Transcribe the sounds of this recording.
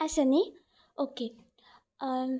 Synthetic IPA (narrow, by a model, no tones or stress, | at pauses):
ɐsɐni | oːke